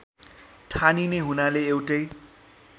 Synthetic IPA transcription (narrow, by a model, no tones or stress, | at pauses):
ʈʰanineɦunaleːwʈʌj